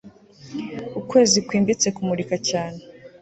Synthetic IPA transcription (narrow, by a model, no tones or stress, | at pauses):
ukwe̞ːzikwiːmbit͡se̞kumuɾikacaːne